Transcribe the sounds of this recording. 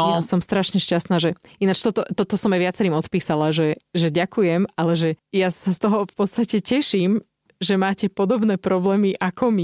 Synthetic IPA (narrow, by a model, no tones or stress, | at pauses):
asɔmst̪ɾaʃɲɛʃcast̪naːʒɛinat͡ʃt̪ɔt̪ɔt̪ɔt̪ɔsɔmaʋɪat͡sɛɾiːmɔt̪piːsalaʒɛʒɛɟakujɛmalɛʒɛjasast̪ɔɦɔfpɔt̪st̪acɛcɛʃiːm | ʒɛmaːcɛpɔd̪ɔbnɛːpɾɔblɛːmiʔakʰɔmi